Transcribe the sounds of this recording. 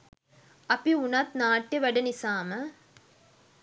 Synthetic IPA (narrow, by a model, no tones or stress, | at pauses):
ɐpiunɐt̪naːʈːɐʋɐɖɐnisaːmɐ